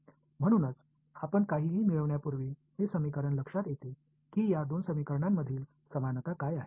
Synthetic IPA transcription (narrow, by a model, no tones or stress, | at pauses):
m̤əɽ̃uːnət͡s | apəɳkaɦiːɦiːmiɭəʋɳjapuɾʋiːɦesəmikəɾəɳləkʂat̪jet̪e | kiːjad̪onsəmikəɾɳamːəd̪ʱiːl | səmanət̪akajaɦe